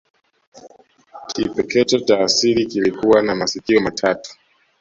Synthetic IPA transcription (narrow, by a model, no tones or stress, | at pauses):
kʰipɛkɛt͡ʃataːsiɾikilikuwanamasikiɔmatʰatu̥